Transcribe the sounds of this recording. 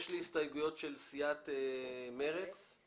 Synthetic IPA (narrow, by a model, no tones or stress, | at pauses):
ʃliist̪ajɡujo̞tʃelsijat̪emeʁet͡s